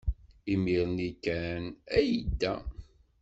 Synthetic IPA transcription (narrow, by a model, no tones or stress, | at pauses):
imiɾnikːænæjəd̪ːæ